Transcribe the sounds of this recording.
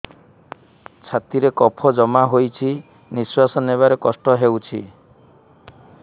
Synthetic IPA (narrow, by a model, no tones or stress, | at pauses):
t͡ʃʰat̪iɾekɔpʰɔd͡ʒɔmaɦojt͡ʃʰi | niswasɔneβaɾekɔsʈɔɦewt͡ʃʰi